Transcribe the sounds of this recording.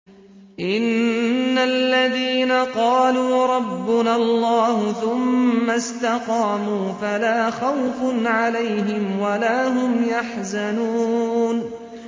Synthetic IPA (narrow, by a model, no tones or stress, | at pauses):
ʔɪnːalːaðiːnaqɑːluːɾˤɑbːʊnalˤːɑːhʊθʊmːast̪aqɑːmuːfalaːxawfʊnʕalajɦɪmwalaːɦʊmjaħzanuːn